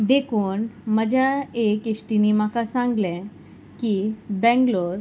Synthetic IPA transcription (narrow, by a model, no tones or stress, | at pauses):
d̪ekʰuːnməd͡ʑʱjaekeɕʈiniːmakasãŋɡlɛ | kiːbɛ̃ŋɡloɾ